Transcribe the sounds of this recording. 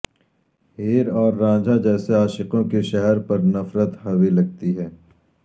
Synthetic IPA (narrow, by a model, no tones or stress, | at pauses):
ɦiːɾɔːɾːãːd͡ʒʱad͡ʒɛːseaːʃɪqõkeʃɛɦɛɾpɐɾnɐfɾət̪hɐwilɐɡ̚t̪iɦɛː